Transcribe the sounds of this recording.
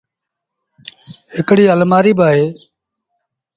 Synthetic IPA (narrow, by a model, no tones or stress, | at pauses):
ɦɪkɽiːəlmaːɾiːbaːɦeː